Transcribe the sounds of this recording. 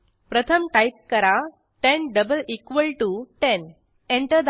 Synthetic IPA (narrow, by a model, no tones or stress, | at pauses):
pɾət̪ʰəmʈajp̚kəɾa | ʈẽnɖəbəlikʋəlʈuʈen | ẽɳʈəd̪